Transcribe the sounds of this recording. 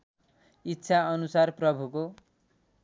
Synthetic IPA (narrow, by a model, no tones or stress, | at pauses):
itːʃʰaʌnusarprʌbʱuko